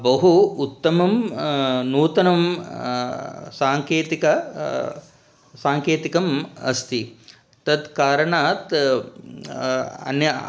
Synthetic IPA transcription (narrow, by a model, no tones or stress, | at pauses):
bɐɦuut̪ːɐmɐm | nuːt̪ɐnɐm | saːŋkeːt̪ikɐ | saːŋkeːt̪ikɐmɐ̰st̪ʰi | t̪ɐd̪kaːɾɐɳaːt̪ | ɐ̰njɐ